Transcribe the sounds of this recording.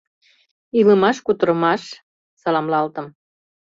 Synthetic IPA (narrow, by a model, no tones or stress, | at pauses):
iləmɑʃkut̪ə̆ɾə̆mɑʃ | sɑlɑmlɑlt̪əm